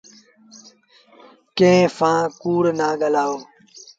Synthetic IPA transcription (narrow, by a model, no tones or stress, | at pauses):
kẽɦfãːkuːɽnãːɠəlaːoː